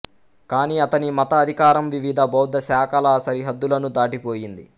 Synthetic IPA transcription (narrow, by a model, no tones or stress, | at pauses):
kaːniːɐt̪ɐnimɐt̪ɐːd̪ʱikaːɾɐmʋiʋid̪ʱɐbɔːd̪ːɐsaːkɐlɐsɐɾiɦɐd̪ːulɐnud̪aːʈipoːjind̪i